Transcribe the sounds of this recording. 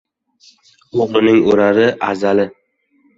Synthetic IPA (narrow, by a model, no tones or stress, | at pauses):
oʁlˠɪnɪŋoɾaɾɪʔa̰zalɪ